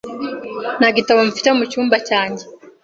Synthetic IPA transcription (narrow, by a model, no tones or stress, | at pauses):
naɡitaβoɱfi̥temucuːmbacaːɲɟe